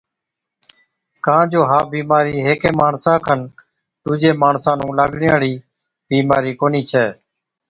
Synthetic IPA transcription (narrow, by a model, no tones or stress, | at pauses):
kãːd͡ʒoːɦaːbiːmaːɾiːɦeːkẽːmaːɳsãːkʰən | ɖ̪ʊːd͡ʒeːmaːɳsãːnũːlaːɡɳɪjaːɽiː | biːmaːɾiːkoːniːt͡ʃʰɛː